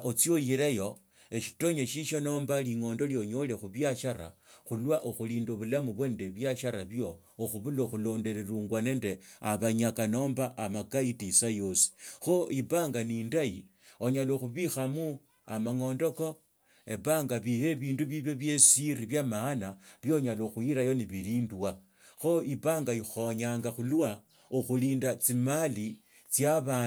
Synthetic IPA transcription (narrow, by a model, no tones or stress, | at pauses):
ʔot͡sjo̞jiɾejo̞ | eʃi̥to̞ɲeʃiʃo̞no̞ːmbaliŋo̞ːndo̞ljo̞ɲo̞le̞xuβjaʃaɾa̰xulwaʔoxuliːndoβulamuβwe̞ːnde̞βjaʃaɾaβjo | oxuβuloxulo̞nde̞ɾeɾuːŋɡwane̞ːnde̞aβaɲakano̞ːmbaʔːmakaitisajo̞si̥xoiβaːŋɡaniːndaji | o̞ɲaloxuβixamu | amaŋo̞ndo̞ko̞ | eβaːŋɡaβihe̞βiːnduβiβjo̞βje̞siriβjamaːnaβjo̞ɲaloxujiɾajo̞niβiliːmbwa | xo̞ipaːŋɡajixoɲaːŋɡaxulwa | uxuliːndat͡simali | t͡sjaβaː